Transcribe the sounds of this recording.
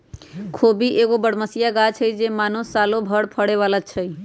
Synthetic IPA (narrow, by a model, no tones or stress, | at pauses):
kʰobiʔeɡobəɽməsijaɡat͡ʃʰəjd͡ʒemanosalobʱəɽpʰəɽeʋalat͡ʃʰəj